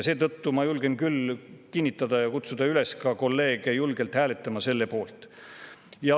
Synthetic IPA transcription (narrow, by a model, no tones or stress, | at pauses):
se̞ːt̪ɤt̪ːumɑjulɡ̥e̞nkylkinʲːit̪ːˑɑd̪̥ɑjɑkut̪sud̪̥ɑyle̞skɑko̞lːe̞ːɡ̥ejulɡ̥e̞lt̪hæːlet̪ːˑɑmɑse̞lːe̞po̞ːlt̪ˑ | jɑ